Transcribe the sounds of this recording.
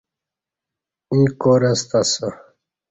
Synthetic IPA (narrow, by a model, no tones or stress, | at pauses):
ĩːkoɾɐst̪aso